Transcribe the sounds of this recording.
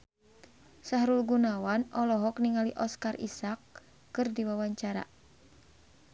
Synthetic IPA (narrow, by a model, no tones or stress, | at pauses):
saɦɾulɡunawanɔlɔɦɔkniŋaliʔɔskarʔḭsakː | ɨrdiwawaɲt͡ʃaɾa̰